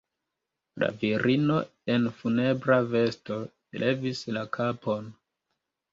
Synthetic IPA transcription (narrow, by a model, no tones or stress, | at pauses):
la̰viɾino̞ | e̞nfune̞bɾave̞sto̞ | ele̞vislakʰapo̞n